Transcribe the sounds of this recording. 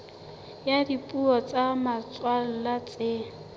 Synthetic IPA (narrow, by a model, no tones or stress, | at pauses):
jadipʼuɔt͡samat͡sʼwal̩lat͡sʼeːŋ̩